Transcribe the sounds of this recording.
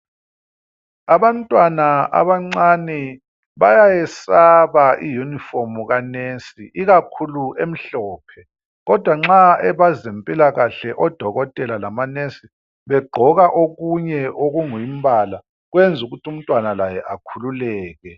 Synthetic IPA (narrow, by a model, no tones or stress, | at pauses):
aβantʼwanaa̰βaŋ͡ǀanɛ | βajajɛsaβaijunifomuɣanesiʔiɣakʰuluem̩ɬɔːpʰɛ | ɣɔd̥ʱwaŋ͡ǁaɛβazempʼilaɣaɬɛʔɔd̥ʱɔɣɔtʼɛlalamanesi | βɛɡ͡ǃʱɔɣaʔoɣuɲɛʔoɣuŋujimbʱala | ɣwɛnd͡zʱuɣutʰum̩tʼwanalajɛʔakʰululɛːɣɛ